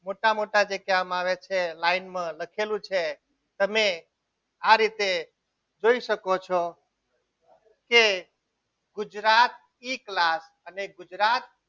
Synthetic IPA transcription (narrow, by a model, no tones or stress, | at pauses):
moʈamoʈad͡ʒekjaamaʋet͡ʃʰelainmãləkʰelũt͡ʃʰe | t̪əme | aɾit̪e | d͡ʒoiʃəkot͡ʃʰɔ | ke | ɡʊd͡ʒɾat̪̚ | iklas | əneɡʊd͡ʒɾat̪̚